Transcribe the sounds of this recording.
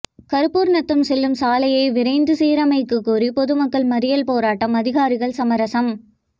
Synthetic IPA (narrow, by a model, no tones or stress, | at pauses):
kɐɾɯpːuːɾnɐt̪ːɯmsɛlːɯmsaːlɐjɐɪʋɪɾɐɪnd̪ɯsiːɾɐmɐɪkːɯkːuːɾipɔðɯmɐkːɐɭmɐɾɪjɐlpoːɾaːʈːɐmɐðɪɣaːɾɪɣɐɭsɐmɐɾɐsɐm